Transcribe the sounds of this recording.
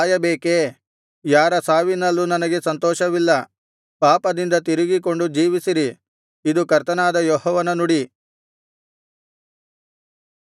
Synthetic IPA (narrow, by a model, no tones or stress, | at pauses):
jɐbeːke | jaːɾɐsaːʋinɐlːunɐnɐɡe̞sɐnt̪ɔːʃɐʋilːɐ | paːpɐd̪ind̪ɐt̪̬iɾiɡiko̞ɳɖud͡ʒiːʋisiɾi | id̪ukɐɾt̪ɐnaːd̪ɐjɔɦɔːʋɐnɐnuɽi